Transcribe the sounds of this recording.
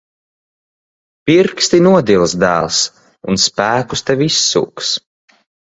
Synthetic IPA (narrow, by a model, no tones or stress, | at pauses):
piɾkst̪inuɔd̪ilˠsd̪æːlˠs | unspæːkust̪ɛvʲisːṵːks